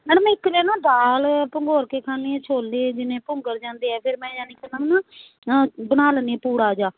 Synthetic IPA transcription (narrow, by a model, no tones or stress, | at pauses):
mɛːnəmɛ̃ːɪkːleːnãːd̪aːlpəŋɡoːɾkeːkʰaːneːt͡ʃʰoːld̪eːd͡ʒɪnẽːpʊŋɡəɾd͡ʒãːnd̪eːɛːpʰɪɾmɛ̃ːjaːniːkɛnaːnãː | bənaːləneɛːpuːɽaːd͡ʒaː